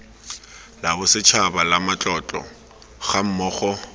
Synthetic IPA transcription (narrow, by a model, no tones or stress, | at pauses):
labʊsɪt͡ʃʰabalamat͡ɬʼɔt͡ɬʼɔ̰ | χam̩mɔːχɔ